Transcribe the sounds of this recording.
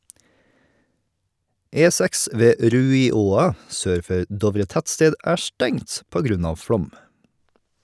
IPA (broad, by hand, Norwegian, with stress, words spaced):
ˈeːˌsæks ˈʋeː ˈɾʉːɪˌoːɑ ˈsøːɾ ˈfœɾ ˈdɔʋɾə ˈtætˌsteːd ˈæː ˈʃtɛŋt ˈpoː ˈɡɾʉn ˈɑːʋ ˈfɽɔm